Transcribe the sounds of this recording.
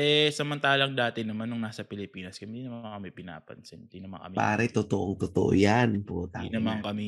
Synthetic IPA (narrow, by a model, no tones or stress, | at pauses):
ʔɛsɐmɐnt̪aːlɐŋd̪aːt̪ɛnɐmanːʊŋnaːsɐpɪlɪpiːnɐskɐɪnd̪iːnɐmaaŋkɐmɪpɪna̰ːpɐ̰nsɪnɪnd̪iːnɐma̰ŋkɐ̰mipa̰ːɾɛt̪ot̪oʔoŋt̪ot̪o̰ʔo̰janpot̪anɐmaŋkɐmi